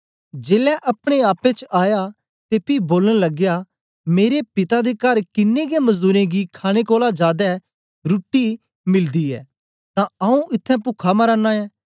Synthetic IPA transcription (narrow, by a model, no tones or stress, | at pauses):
d͡ʒeːlɛʔɐpɽ̃eaːpẽt͡ʃaːja | t̪epiboːləɽ̃lɐɡja | meːɾepɪt̪ad̪ekɐɾkɪnːeɡemɐzd̪uːɾẽɡikʰaːɽ̃ekoːlad͡ʒaːd̪ɛ | ɾʊːʈːi | mɪld̪iɛ̰ː | t̪ãɐũʔɪt̪ʰːɛ̃pʊkʰaməɾãːnaɛː